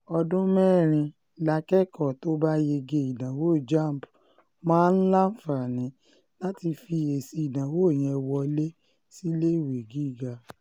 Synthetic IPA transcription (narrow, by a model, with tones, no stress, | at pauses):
ɔ˧dũ˦mɛ˦˨ɾ̃ĩ˧ | la˧kɛ˦kɔ˦˨to˦ba˦je˧ɡe˧i˨dã˨wo˦˨d͡ʒa˦˨m˨b | mãː˦n̩˦la˦fa˨nĩ˨˦ | la˦ti˧fi˧e˨si˧i˨dã˨wo˨˦e˦˨j̃ĩ˧ɛ˧wɔ˧le˦ | si˦le˦i˨we˨ɡi˦˨ɡa˧